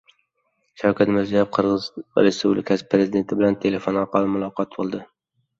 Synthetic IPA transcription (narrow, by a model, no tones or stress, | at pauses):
ʃawkʰʲat̪mɪɾzijabqʰɨɾʁɨzɾespublɪkʰʲasɪ̥pʰɾe̞zɪd̪e̞nt̪ʰɪbɪlant̪ʰe̞le̞fonɒɾqʰɑlˠɪmʊlˠɒqʰɒt̪̚bolˠd̪ɪ